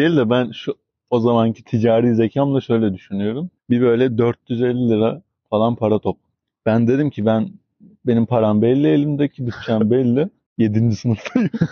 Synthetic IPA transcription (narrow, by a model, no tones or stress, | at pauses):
d̪ejilʲd̪ɛbænʃu | o̞zamancʰi̥t̪ʰid͡ʒaːɾiːzecʰamlˠaʃø̞jlʲɛd̪yʃynyjo̞ɾumbibø̞jlʲɛd̪øɾt̪̚jyze̞lʲːilʲiɾa | falˠanpʰaɾat̪ʰop̚ | b̥ænd̪e̞d̪imcʰibæn | be̞nimpʰaɾambɛlʲːielʲimd̪ɛcʰid̪ɯt͡ʃʰanbɛlʲːɛ | je̞d̪ind͡ʒisɯnɯflˠɯjm